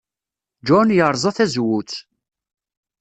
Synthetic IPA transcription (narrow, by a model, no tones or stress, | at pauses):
d͡ʒɔnjəɾˤzˤɑθæzwut͡s